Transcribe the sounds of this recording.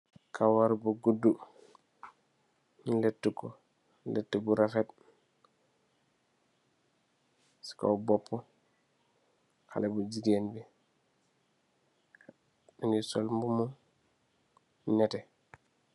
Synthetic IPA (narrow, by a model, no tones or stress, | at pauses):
kʰawaɾbɔɡudːu | niletːukɔ | nletːubuɾafɛt | si̥ka̰wbɔpːɔ | ka̰lɛbud͡ʒiɡenbɛ | ɗɛnisɔlmbumun | nɛtɛ